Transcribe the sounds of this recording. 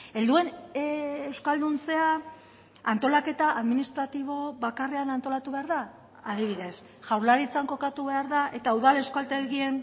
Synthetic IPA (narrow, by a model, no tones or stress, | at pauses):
e̞ld̪ue̞n | ewskald̪unt͡se̞a | ant̪o̞lake̞t̪aʔaðminist̪ɾat̪iβ̞o̞βakare̞anant̪o̞lat̪uβe̞aɾða | aðiβ̞iðe̞s | ʝ̥awɾlaɾit͡saŋko̞kat̪uβe̞aɾðaʔe̞t̪auðale̞wskalt̪eɾɣie̞n